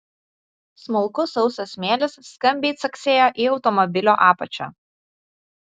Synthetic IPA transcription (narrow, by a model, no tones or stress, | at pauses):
smʊlˠkʊsɒʊsʲɐsʲmʲeːlʲɪsːkɐmʲbʲeːt̪sɐksʲeːjoːʔiɒʊt̪ɔmɔbʲɪlʲoːʔɑːpɐt͡ʃʲo̰ː